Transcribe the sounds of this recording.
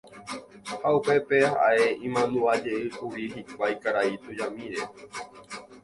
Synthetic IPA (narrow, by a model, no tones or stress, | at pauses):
haupe̞peha̰e̞ĩmãnũad͡ʒe̞ʔɨkuɾiɦikʷajkaɾait̪ud͡ʒamĩɾe